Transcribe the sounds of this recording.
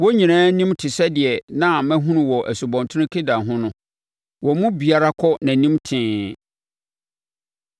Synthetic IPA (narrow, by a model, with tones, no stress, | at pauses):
wɔ˦ɲĩ˨nãː˦nĩ˦mtʰɪ˨sɛ˦dɪ˨ɛ˨nã˨mæ̃˦ɦũ˦nʊ̃˨wɔ˨ʔæ˨su˨bɔ̃˨ntʰʊ˦ʊ̃˦kʰɪ˦da˨ɦʊ̃˦nʊ̃˦ | wɔ˨mʊ̃˦bi˨a˦ɾa˦kʰɔ˦nã˨nĩ˦mtʰɪ̃ː˦